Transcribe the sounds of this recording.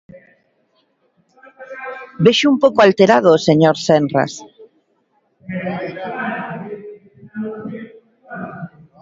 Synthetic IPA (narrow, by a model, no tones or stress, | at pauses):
beʃʊumpowkoalt̪eɾaðʊːseɲoɾsɛnra̰s